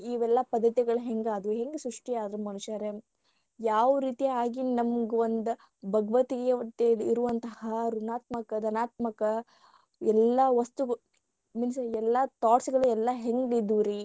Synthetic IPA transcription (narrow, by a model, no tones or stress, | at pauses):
iːʋɛlːɐpɐd̪ʱːɐt̪iɡɐɭuɦeŋɡaːd̪uɦeŋɡesɾuʂʈijaːd̪ɐɾumɐnuʃjaɾe | jaːʋuɾiːt̪ijaːɡinɐmɐɡeond̪u | bʱɐɡɐʋɐt̪iɡɐt̪ːeliɾuʋɐnt̪ɐhɐɾunaːt̪mɐkɐd̪ɐnaːt̪mɐkɐ | ɛlːɐʋɐst̪uɡ | minsɛlːɐt̪aːʈsiɡɐɭuɛlːɐɦeŋɡid̪ːuɾi